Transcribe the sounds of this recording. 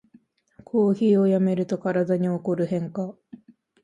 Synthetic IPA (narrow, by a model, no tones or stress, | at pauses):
kʰo̞ːçiːo̞jame̞ɾɯ̟t̪o̞kaɾad̪aɲ̟io̞ko̞ɾɯ̟ɦẽ̞ŋka